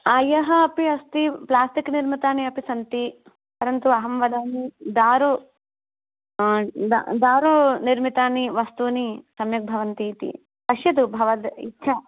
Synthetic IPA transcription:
aːjɐɦɐɐpiɐst̪iplaːsʈikniɾmit̪aːniɐpisɐnt̪i | pɐɾɐnt̪uɐɦɐmʋɐd̪aːnid̪aːɾo | d̪a̰d̪aːɾoniɾmit̪aːniʋɐst̪uːnisɐmjɐk̚bʱɐʋɐnt̪iːt̪ḭ | pɐʃjɐd̪ubʱɐʋɐd̪ḭtːʃʰɐ

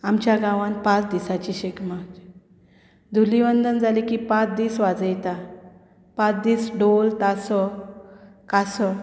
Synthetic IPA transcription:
amt͡ɕjaɡãʋãnpãt͡sd̪isat͡ɕiɕekma | d̪ʱuliʋənd̪ənd͡zalikipãt͡sd̪iːsʋad͡zəjt̪a | pãt͡sd̪iːsɖolt̪asɔ | kasɔ

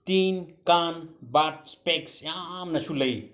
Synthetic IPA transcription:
t̪iːnkanbaspeksjamnɐt͡ʃʰuləj

